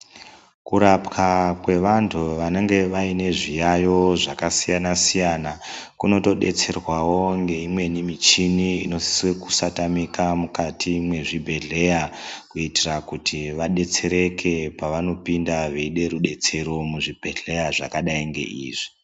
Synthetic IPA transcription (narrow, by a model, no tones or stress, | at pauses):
kuɾapkakwe̞ʋantʰuʋane̞ŋɡe̞ʋaine̞ʐijajo̞ʐakasijanasijanakuno̞to̞ɗe̞̰t͡se̞rwawo̞ŋɡe̞imwe̞nimit͡ʃiniino̞si̥swe̞ku̥satamikamukatimwe̞ʐibʱe̞ɮe̞jakuitirakutʰiʋaɗe̞t͡se̞ɾe̞kʰe̞paʋano̞pindaʋeiɗe̞ɾuɗe̞t͡se̞ɾo̞muʐib̥ʱe̞ɮe̞jaʐakaɗaiŋɡe̞̰ʔḭːʐi